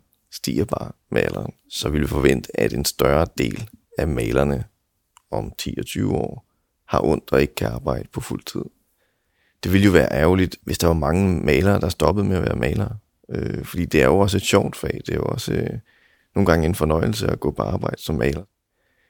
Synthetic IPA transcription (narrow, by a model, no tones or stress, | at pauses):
sd̥ḭːɐb̥ɑ̈ː | mɛlɐːn | sɒ̽ʋilʋifɒ̽ʋen̰d̥əʔæd̥e̝nsd̥ɶɐd̥e̝̰ːlæmɛɪlɐnə | ɒ̽mt͡sʰḭːɒt͡sʰyːʊəɒ̰ː | hɑ̈ʔɔ̽n̰d̥ɒe̝ɡ̥ə̥kʰæɑ̈ːb̥ɑ̈ɪ̰d̥ə̥pʰɒ̽ful̰t͡sʰið̰ˠ | d̥e̝ʋiljo̝ʋæːɐʔæɐʊlid̥ʋʔe̝sd̥ɑ̈ʋɑ̈mɑ̈ŋəmɛɪlɐːd̥ɑ̈æsd̥ɒ̽b̥əð̞̩ˠmeæʋæːɐmʔɛɪlɐː | øfɒ̽d̥ḭːd̥e̝æɐjo̝ɒ̽se̝d̥ɕɒʊ̰d̥fɛːd̥e̝æjoɒ̽sə | no̝ːn̩ɡ̥ɑ̈ŋəe̝nfɒ̽nɒɪl̩səæɡ̥ɔ̰̽ːpʰɒ̽ɑ̈ːb̥ɑ̈ɪ̰d̥ə̥sɒ̽mːɛɪlɐ